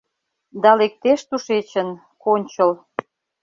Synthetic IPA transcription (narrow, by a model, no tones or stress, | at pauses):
d̪ɑlek̚t̪eʃt̪uʃet͡ɕən | konʲt͡ɕəl